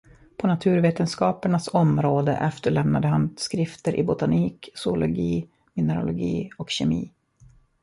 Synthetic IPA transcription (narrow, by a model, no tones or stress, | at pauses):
pʰɔnat̪ʰʉ̟ːɾveːt̪ənskɑːpəɳasɔmɾoːd̪ə̰ʔɛft̪əɭɛmnad̪əɦanskɾɪft̪əɾʔɪ̰bʊt̪aniːksʊʊlʊɡiː | mɪnəɾʊ̰lʊɡiːɔkɕɛmḭː